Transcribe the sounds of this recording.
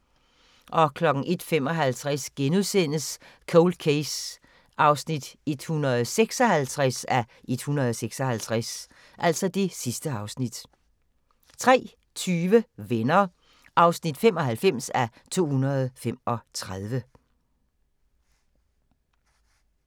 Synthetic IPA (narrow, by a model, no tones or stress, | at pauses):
ʔɒ̽kʰlɒ̽ɡ̥ŋ̩ʔe̝d̥fem̰ɒ̽ɦælt͡sʰʁasɡ̥enuðˠsen̰əs | kʰoʊld̥̚kʰes | ʔɑ̈ʊsnid̥e̝d̥hunɐð̩ˠseɡ̥sɒ̽hælt͡sʰʁasæʔe̝d̥hunʁɐð̞ˠɒseɡ̥sɒhælt͡sʰʁas | ʔæl̰sɒ̽d̥e̝sisd̥əɑ̈ʊsnid̥ | t͡sʰʁɛ̰ː | t͡sʰyːʋəʋenɐ | ʔɑ̈ʊsnid̥fem̰ɒ̽ɦælfem̰sæt͡sʰo̝̰ːhunɐð̞̩ˠfem̰ɒ̽t͡sʰʁaðˠʋə